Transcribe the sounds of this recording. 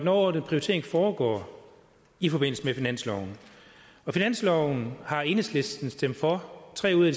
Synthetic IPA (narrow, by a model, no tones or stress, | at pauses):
denɒd̥ənpʰʁiot͡sʰe̝ɐeŋfɒːɡ̥ɒ̰ː | ifɒ̽b̥e̝n̰l̩səmefinæn̰slɒʊn̩ | ɒ̽finæn̰slɒʊn̩hɑ̈e̝nəsle̝sd̥n̩sd̥em̰d̥fɒ̽t͡sʰʁɛ̰ːuð̰ˠæd̥i